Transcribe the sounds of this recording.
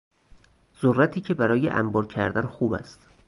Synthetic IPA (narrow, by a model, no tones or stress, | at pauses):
z̥orːæt̪ʰiːcʰe̞bæɾɒːjḛʔæ̰mbɒːɾcʰæɾd̪ænxuːbæ̰st̪